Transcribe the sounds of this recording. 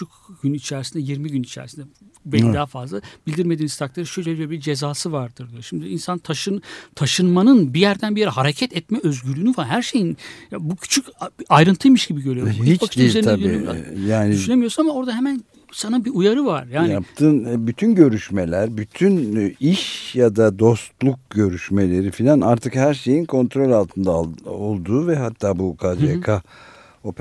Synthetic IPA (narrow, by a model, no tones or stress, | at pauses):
yyt͡ʃʰyc | ɟynit͡ʃʰæːɾisind̪ɛjiɾmiɟynit͡ʃʰæ̰ɾsind̪ɛbeld̪aːafazlˠab̥ilʲd̪iɾme̞d̪iːnizt̪ʰaklˠaɾɯʃølʲeøɾbid͡ʒezaːsɯvaɾd̪ɯɾd̪ʃimd̪iinsant̪ʰaʃɯt̪ʰaʃɯnmanɯnbijæɾd̪ænbijeɾɛɦaɾecʰɛt̪ʰɛt̪mɛøzɟyɾyːnyfaɦæɾʃe̞jinjabucʰy̥t͡ʃʰycajɾɯnt̪ʰɯjmɯʃɟibiɟøɾyob̪ibakɯʃyzeɾnilʲeia̰jaːnyʃynemijosunamao̞ɾd̪aɦemæn | sanabiujaɾɯvaɾjaːj̪iap̚t̪ʰɯnɛbyt̪ʰynɟø̞ɾyʃmelʲæɾbyt̪ʰyniʃjad̪ad̪o̞st̪lˠuk̚ɟø̞ɾyʃmelʲe̞ɾifilʲanaɾt̪ʰɯkhæɾʃe̞jinkʰo̞nt̪ɾo̞lʲalˠt̪ʰɯnd̪aolˠd̪uːvɛɦat̪ʰːaːbukʰad͡ʒ̪ekʰa | op